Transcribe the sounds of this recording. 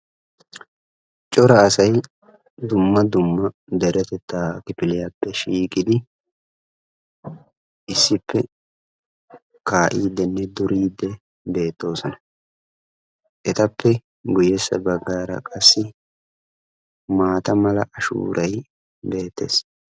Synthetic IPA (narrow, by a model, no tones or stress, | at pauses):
t͡ʃʼɔɾɐːsɐj | d̪ʊmːɐd̪ʊmːɐ | d̪ɛɾʔɛt̪ɛt̪ːaːkɪpɪlɪjaːpːɛʃiːkʼɪd̪ɪ | ʔɪsːɪpːɛ | kaːʔiːd̪ːɛnːɛd̪ʊɾiːd̪ːɛ | be̞ːt̪ːo̞ːsɔnɐ | ʔɛt̪ɐpːɛ | ɡʊjɛsːɐ̰bɐɡːaːɾɐ̰kʼɐsːɪ | maːt̪ɐmɐlɐʔɐʃṵːɾʔɐj | be̞ːt̪ːe̞̰ːs